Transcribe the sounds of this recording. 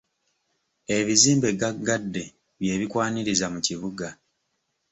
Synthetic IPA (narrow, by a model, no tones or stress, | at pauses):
e̞βiziːmbe̞ɡaɡadːe̞ | βje̞ːβikwaːniɾizamuciβuɡa